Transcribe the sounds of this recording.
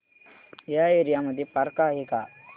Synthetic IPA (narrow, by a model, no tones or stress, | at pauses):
jaeɾijamɐd̪ʱjipɐɾkaːɦika